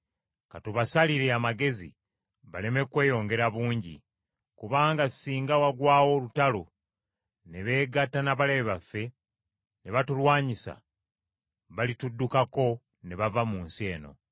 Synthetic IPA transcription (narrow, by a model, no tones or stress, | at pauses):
katuβasaliɾeamaɡe̞zḭ | βale̞me̞kwe̞ːjo̞ːŋɡe̞ɾaβuːɲɟḭ | kuβaːŋɡasiːŋɡawaɡwaːwo̞lutalo | ne̞βe̞ːɡatanaβaleβeβafːe̞ | ne̞βatulwaːɲisa̰ | βalitudːukako̞ | ne̞βavamuːnsie̞ːno̞̰